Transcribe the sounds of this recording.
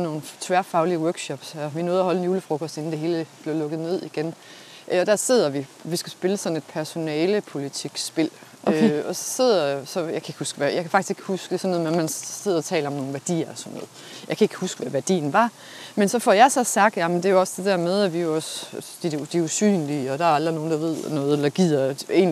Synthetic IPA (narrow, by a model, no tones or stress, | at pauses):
no̝ːn̩t͡sʰʋæɐfɑ̈ʊliəwœɐɡ̥ɕɒ̽b̥sæʋino̝ːð̞̩ˠɐɦɒ̽lenjuːləfʁɔ̽kʰɔ̽sd̥e̝n̩d̥e̝ɦe̝ːləb̥le̝ɐlɔ̽ɡ̥ð̩ˠne̝ð̰ˠiɡ̥en | ʔɒd̥æɐse̝ð̞̰ˠɐʋiʋisɡ̥æsb̥e̝ləsɒ̽n̩e̝d̥̚pʰæɐso̝nɛːləpʰo̝lit͡sʰiɡ̥sb̥e̝l̰ | øɒ̽sɒ̥se̝ð̰ˠɐsɒ̽jɑ̈ɪkʰæe̝ɡ̥husɡ̥ʋæjɑ̈ɪkʰæfɑ̈ɡ̥isɡ̥e̝ɡ̥ə̥husɡ̥esɒnːð̩ˠmemænse̝ðˠɐɒt͡sʰɛ̰ːlɐmno̝ːn̩ʋæɐd̥ḭːɐsɒ̽nːɔ̽ːð̩ˠjɑɪkʰæe̝ɡ̥ə̥husɡ̥ʋæʋæɐd̥ḭːn̩ʋɑ̈ | mensɒ̽fɒjɑ̈sɒ̽sɑ̈ɡ̥̚d̥jæmənd̥e̝æjoɒ̽sd̥e̝d̥æɐmeð̞ˠæʋijo̝ɒ̽sd̥i̥d̥iusy̰ːnliɒ̽d̥ɑ̈æɐɑld̥ʁino̝ːn̩d̥ɑ̈ʋe̝ð̞̰ˠnɔ̽ːð̞̩ˠelɑɡ̥ið̰ˠɐe̝̰ːn